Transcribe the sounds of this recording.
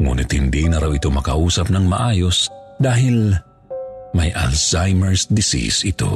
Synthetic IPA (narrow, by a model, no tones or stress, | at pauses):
ŋṵːnɪt̪̚hɪnd̪inɐɾawɪt̪o̞mɐkɐʔuːsɐp̚nɐŋmɐʔaːjosd̪aːɦɪl | mɐjʔa̰lsajmɛɹsd̪ɪsḭsɪt̪o̞̰